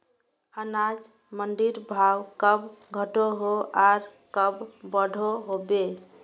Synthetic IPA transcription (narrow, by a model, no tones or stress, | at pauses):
ənad͡ʒ | mənɖiɾbʱawkəbɡʱəʈoɦoaɾkəbbəɽʱoɦobe